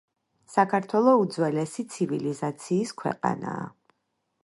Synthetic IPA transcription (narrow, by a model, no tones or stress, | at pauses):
sakʰaɾt̪ʰwɛlˠɔud̪zwɛlɛsit̪sʰivilizat̪sʰiːskʰwɛ̰qʼa̰na̰ː